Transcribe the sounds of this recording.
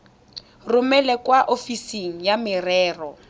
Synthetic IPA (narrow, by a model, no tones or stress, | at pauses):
rʊmɛlɛkwaʔofisiŋ̩jamɪrɛːrɔ